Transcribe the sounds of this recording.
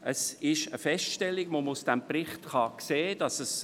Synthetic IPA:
əsɪʃəfɛsʃtɛlːiɡʋoməusd̥ɛmprɪχtχɑkseːd̥ɑsəs

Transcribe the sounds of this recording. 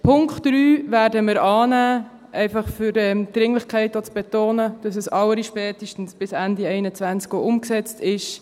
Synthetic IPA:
pʰʊŋktɾyːvæːɾdəmɪɾɑːnæː | ʔɛɪfɑχfʏɾɛmd̥ɾɪŋlɪχkʰɛɪtot͡sb̥ɛtoːnəd̥ɑs̬ɛsɑləɾiʃpɛːtiʃtən̩sb̥ɪsændiɛɪnət͡sʋænt͡skoʔʊmksɛt͡stɪʃ

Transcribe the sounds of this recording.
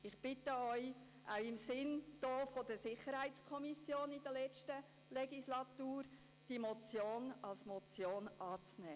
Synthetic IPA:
ɪχb̥ɪtəœʏ | ʔaʊɪmsɪnd̥oːfodəsɪχəɾhæɪt͡skʰɔmisjoːnidəlɛt͡ʃtə | lɛɡislɑtuːɾ | d̥imot͡sjoːnɑlsmɔt͡sjoːnʔɑːt͡snɛː

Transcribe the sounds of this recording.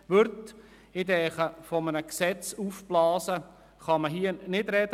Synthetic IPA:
ʋɵɾt | ɪdɛːχəfɔmənəksɛt͡suːfb̥lɑːsə | χɑməɦiənɪdɾɛd

